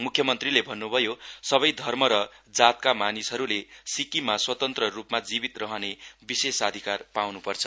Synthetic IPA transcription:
mukʰjʌmʌnt̪rilebʱʌnːubʱʌjosʌbʌjd̪ʱʌrmʌɾʌd͡zat̪̚kamanisɦʌɾulesikimaswʌt̪ʌnt̪rʌrupmad͡zibit̪rʌɦʌnebisesʌd̪ʱikarpawnupʌrt͡sʰʌ̥

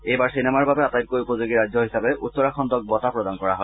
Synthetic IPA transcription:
ejbaɹsinɛmaɹbabɛatajt̚kojupɔzoɡiɹazɔɦisabɛʔutsɔɹaxʰɔnd̪ɔk̚bɔtapɹɔdankɔɹa̰ɦɔj

